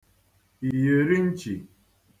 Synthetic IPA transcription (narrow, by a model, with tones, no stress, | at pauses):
i˨je˨ɾi˦n̩˦t͡ʃi˨